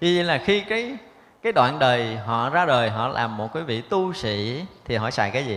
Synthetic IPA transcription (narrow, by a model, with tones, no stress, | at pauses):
i˨˦zḭ˧˨laː˨˩xi˧kaː˨˦j | kaː˨˦jɗwa̰ː˧˨nɗəː˨˩jɦɔ̰˧˨zaː˧ɗəː˨˩jɦɔ̰˧˨lʔa̰ː˨˩mːo˨˩t̚kiː˨˦vḭ˧˨t̪u˧sḭ˧˨t̪ʰi˨˩ɦɔ̰˧˩˨sa̰ː˧˨jkaː˨˦jzi˨˩